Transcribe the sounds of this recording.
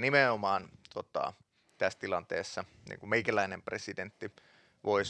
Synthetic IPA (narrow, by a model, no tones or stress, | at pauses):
nimeomɑːnt̪ot̪ɑ̰ˑ | t̪æst̪ilɑnt̪eːsːɑ | nḭŋkumeikælæinempresident̪ːi | ʋois